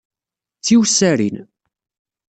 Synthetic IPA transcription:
t͡sːiwsæɾḭn

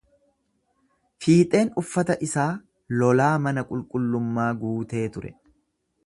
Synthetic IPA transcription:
fiːt̪ʼe̞ːnʊfːɐt̪ɐʔɪsaː | lɔlaːmɐnɐkʼʊlkʼʊlːʊmːaːɡuːt̪e̞ːt̪ʊɾɛ̰

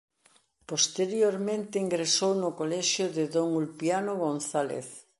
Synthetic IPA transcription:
post̪eɾjoɾmẽnt̪ɪiŋɡɾesownʊkolɛʃjʊðeðoŋulpjanʊɣonθalḛθ

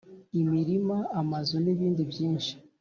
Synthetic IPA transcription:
imiɾimaamazoneβiːndibjiːnʃi̥

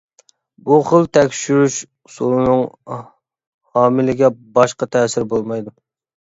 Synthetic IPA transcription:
buχəlˠt̪ʰɛkʲʃyɾyʃ | sulˠɨnɨŋ | hɑːmɪlɪɡʲɛbɑʃqɑt̪ʰɛːsɪɾbolˠmɑjd̪u

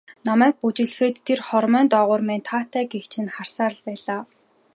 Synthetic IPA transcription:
nɔmæːk̚put͡ɕɪ̆ɮxeːt̪ʰːerχɔrmœːnt̪ɔːʁʊːrmeːnt̪ʰaːt̪æːɡext͡ɕʰɪ̆nχar̥saːɾə̆ɮpæːɮaː

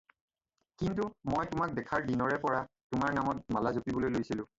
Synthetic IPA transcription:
kintumojtʊmak̚dɛkʰaɹdinɔɹɛpɔɹa | tʊmaɹnamɔt̚malazopibɔlojlojsilʊ̃

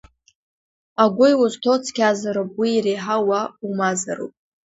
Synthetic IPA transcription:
aɡʷʊjwʊztʰot͡sʰkʲazaɾopʼwiːreħawaumazaɾo̰pʼ

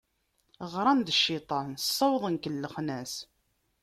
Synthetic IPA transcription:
ʁɾˤɑnd̪əʃːɪt̪ˤɑnsˤːɑwðˤənkəlːəχnæs

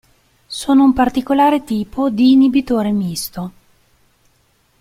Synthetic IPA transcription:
soːnoumpart̪ikolaːɾet̪iːpod̪iːnibit̪oːɾemist̪o

